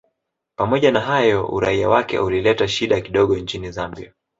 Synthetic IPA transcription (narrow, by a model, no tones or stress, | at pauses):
pamɔʄanaɦajɔṵɾaiawakɛ̰ʔulilɛtaʃiɗakiɗɔɠɔɲt͡ʃinizambḭa